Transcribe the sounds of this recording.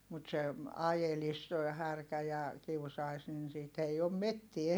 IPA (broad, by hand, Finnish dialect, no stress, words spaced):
mut se ɑjelis toi hærkæ jɑ kiusɑi̯s nin siːt ei om metːie